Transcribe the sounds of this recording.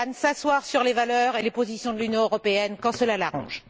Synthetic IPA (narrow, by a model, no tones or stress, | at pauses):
nsaswaʁsyʁlevalœʁelepozisjɔ̃d̪əlynjɔ̃øʁɔpeɛnkɑ̃səlalaʁɑ̰̃ʒ